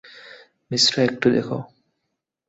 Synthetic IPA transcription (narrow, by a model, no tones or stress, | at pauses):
misɾoek̚ʈud̪ekʰo